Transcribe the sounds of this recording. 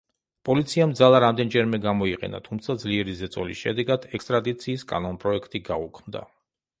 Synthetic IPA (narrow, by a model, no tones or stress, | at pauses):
pʼɔlit̪sʰiamd̪zalˠaɾamd̪ɛnd͡ʒɛɾmɛɡamɔiqʼɛ̰na̰t̪ʰumt̪sʰad̪zliɛɾizɛt̪sʼɔ̰lisʃɛ̰d̪ɛɡad̪ɛkst̪ʼɾad̪it̪sʰiːskʼa̰nɔnpʼɾɔɛkʰt̪ʼiɡaukʰmd̪a̰